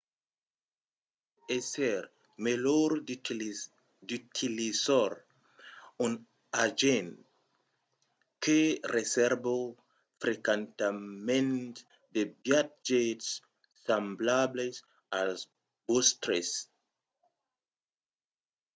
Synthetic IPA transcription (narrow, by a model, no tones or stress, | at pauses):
esɛɾ | meloɾ | dytʰilisɔɾ | ɔn | ad͡ʒen | kʰeresɛɾbo | fɾekẽnt̪amẽnt | debjat̚d͡ʒetsː | amblables | als | b̥ost̪ɾes